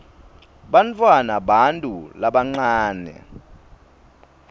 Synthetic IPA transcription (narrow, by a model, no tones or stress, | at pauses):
ɓant͡fʰʼwanaɓantʼulaɓaŋ͡ǀaːnɛ̰